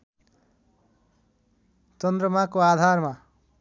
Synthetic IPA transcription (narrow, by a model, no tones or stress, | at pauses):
t͡ʃʌnd̪rʌmakoad̪ʱarma